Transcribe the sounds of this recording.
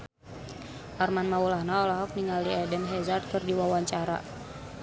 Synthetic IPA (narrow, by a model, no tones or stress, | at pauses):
ʔarmanmaulahnaɔlaɦɔk̚niŋaldiɛdɛnɦɛzart̪ɨrdiwawaɲt͡ʃaɾa̰